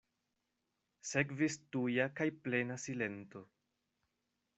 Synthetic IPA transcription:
se̞kvistujakajple̞nasile̞nto̞

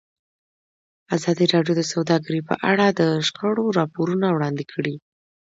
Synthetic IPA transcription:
azɑd̪iɾɑɖjod̪əsawd̪ɑɡəɾipə̰ʔaɽad̪əʃkəɽoɾɑpoɾunawɽɑnd̪ɪkʰəɽi

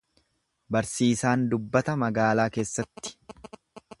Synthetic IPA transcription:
bɐɾsiːsaːnd̪ʊbːɐt̪ɐmɐɡaːlaːke̞ːsːɐt̪ːɪ̥

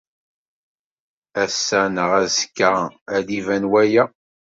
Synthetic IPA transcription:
æsːænəʁæzə̥kːʁæðivænwæjæ

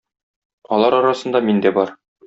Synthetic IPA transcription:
ɒlˠɑɾɒɾɑsɤ̆nd̪ɑmind̪æbɒɾ

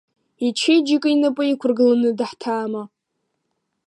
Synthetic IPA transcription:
it͡ʃʰejd͡ʒikʼinapʼɨikʷʰʊrɡɨlanɨdɨħtʰaːma

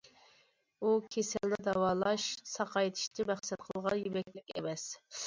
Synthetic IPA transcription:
ukʲʰesɛlnɪd̪ɑwɑːlˠɑʃsɑqʰɑjt̪ʰɪ̥ʃt̪ʰɪmæχsɛt̪̚qʰəlˠʁɑnjybɛkʲlɪkʲɛ̰mɛs

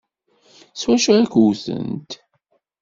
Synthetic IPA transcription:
swæʃuækuwθə̰nt̪

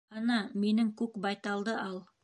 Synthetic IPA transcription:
ɑnɑminɘŋkʉkbɑjt̪ɑlˠd̪ɤɑlˠ

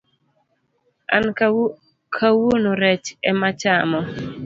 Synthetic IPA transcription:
a̰n | kʰawonoɾɛt͡ʃɛmat͡ʃamɔ

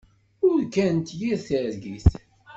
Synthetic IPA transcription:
ʊɾkænt̪jiɾθəɾɡiθ

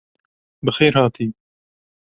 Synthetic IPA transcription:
bɨxeːɾhɑːt̪ʰiː

